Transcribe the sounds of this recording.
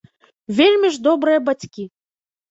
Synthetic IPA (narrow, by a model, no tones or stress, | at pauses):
vʲelʲmʲiʐd̪ɔbɾɨjɐbat͡sʲkʲi